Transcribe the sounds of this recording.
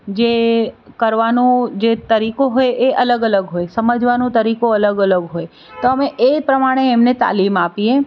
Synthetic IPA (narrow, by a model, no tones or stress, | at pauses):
d͡ʒe | kəɾʋanũd͡ʒet̪əɾikoɦojeʔələɡələɡɦojsəməd͡ʒʋanũt̪əɾikoələɡələɡɦoj | t̪oəmeʔepɾəmaɽ̃eːmnet̪a̰limapie